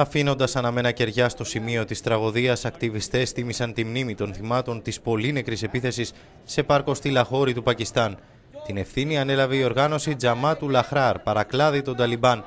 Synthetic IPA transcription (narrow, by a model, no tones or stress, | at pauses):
ɐfino̞nd̪ɐsɐnɐme̞nɐce̞ɾʝɐst̪o̞simio̞t̪ist̪ɾɐɣo̞ðiɐsɐkt̪ivist̪e̞st̪imisɐnt̪imnimit̪o̞nθimɐt̪o̞nt̪ispo̞line̞kɾise̞piθe̞sisː | e̞pɐɾko̞st̪ilɐxo̞ɾit̪upɐcist̪ɐn | t̪ine̞fθiniɐne̞lɐve̞io̞ɾɣɐno̞sid͡zɐmɐt̪ulɐxɾɐɾpɐɾɐklɐðit̪o̞d̪ɐlibɐn